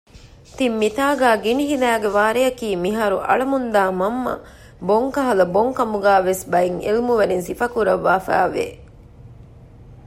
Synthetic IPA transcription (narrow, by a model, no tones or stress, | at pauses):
t̪imːit̪aːɡæːɡiniɦilæːɡeʋaːɾejɐkiːmiɦaːɾuʔɐ̰ɭɐmund̪aːmɐmːɐ̰ | boŋkɐɦɐlɐboŋkɐmuɡæːʋesbɐjiŋḛlmuʋɐɾinsifɐkuɾɐʋːaːfæ̰ːʋḛ